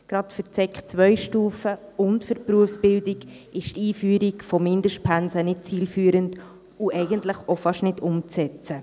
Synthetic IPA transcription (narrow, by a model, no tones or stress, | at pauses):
ɡ̥ɾɑtfəɾt͡sɛkχt͡sʋœʏʃtuːfəʊntfəɾpɾuəfsb̥ɪldɪɡ | ɪʃtiːfyːɾikfɔmɪndəʃtpʰænsənɪt̚t͡siːlfyːəɾənt | uʔɛɪɡəntləχofɑʃnɪdʊmt͡sɛt͡sə